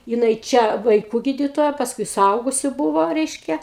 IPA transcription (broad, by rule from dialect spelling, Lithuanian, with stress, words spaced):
jɪˈnɐɪ ˈt͡ʃʲɛ ʋɐɪˈkuː ˈɡʲiːdʲɪtoːjɛ pɐsˈkʊɪ sʊˈɐʊɡʊsʲʊ ˈbuːʋoː ˈrʲɛɪʃʲkʲɛ